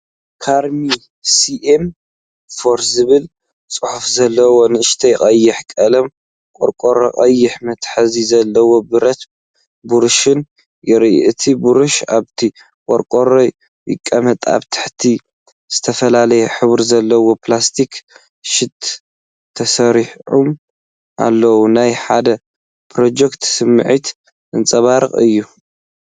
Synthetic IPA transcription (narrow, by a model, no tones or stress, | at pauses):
kʰaɾmi | siʔem | foɾzɨβɨl | t͡sʼɨħufzɐlːɐwo̞nɨɨʃt̪ʰɐjkʼɐjːɪħkʼɐlɐm | kʼoɾkʼoɾoqʼɐjːɪħmɐt̪ħɐzizɐlːɐwo̞bɨɾɐt̪ | buɾɨʃɨn | jɪɾʔʔɨt̪ʰibuɾɨʃaβt̪ʰi | kʼɔɾkʼoɾoj | jʔɪ̰kʼːɐmɐt̪ʼa̰βt̪ʰɨ̥ħt̪ʰi | z̥ɨt̪ʰɐfɐlalɐjɛħɨβɾzɐlːɐwo̞plast̪ʰik | ʃɪt̪ʰː | ɐsɐɾiħʕum | ʔa̰lːɐwunajħad̪ɐ | pɾo̞d͡ʒɛkt̪sɨmːɨʕit̪ | ʔɨnt͡sʼɐβaɾɨkʼɨ̰jːu